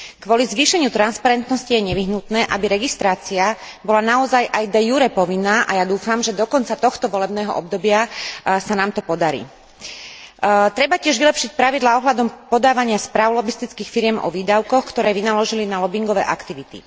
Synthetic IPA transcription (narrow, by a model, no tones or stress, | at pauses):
kʋɔlizʋiːʃɛɲɪut̪ɾanspaɾɛnt̪nɔscijɛɲɛʋiɦnut̪nɛːʔabiɾɛɡist̪ɾaːt͡sia | bɔlanaɔzajʔajd̪ɛjuɾɛpɔʋinːaːʔajad̪uːfamʒɛd̪ɔkɔnt͡sat̪ɔxt̪ɔʋɔlɛbnɛːɦɔ̰ʔɔb̚d̪ɔbɪasanaːmt̪ɔpɔd̪aɾḭː | t̪ɾɛbacɪɛʒʋilɛpʃic̚pɾaʋid̪laːɔɦlad̪ɔmpɔd̪aːʋaɲɪaspɾaːʊlɔbist̪it͡skiːxfiɾɪɛmʔɔ̰ʋiːd̪aʊkɔxkt̪ɔɾɛːʋinalɔʒilinalɔbiŋɡɔʋɛ̰ːʔa̰kt̪iʋit̪ḭ